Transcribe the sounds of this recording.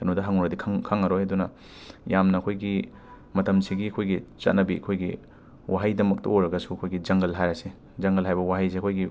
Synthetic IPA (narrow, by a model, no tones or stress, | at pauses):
ɐnodɐɦɐŋɔɾɐdikʰɐŋkʰaŋɐɾojɐdunɐ | jamnɐːkʰojɡi | mɐtʰɐmsiɡiɐkʰojɡit͡ʃɐ̰tnɐbiɐ̰kʰojɡi | wʔaɦajdɐmɐk̚tɐ̰ojɾɐɡɐsuɐkʰojɡid͡ʒɐŋɡɐlɦajɾɐse | d͡ʒɐŋɡɐlɦajbɐwaɦajs̬eɐkʰojɡi